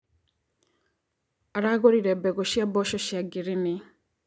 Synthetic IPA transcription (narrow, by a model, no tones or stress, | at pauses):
aɾaɣoɾiɾɛbɛɡɔʃiabɔʃɔʃiaɡiɾini